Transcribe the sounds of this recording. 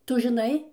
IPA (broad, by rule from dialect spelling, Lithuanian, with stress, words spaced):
ˈtʊ ʒʲɪˈnɐɪ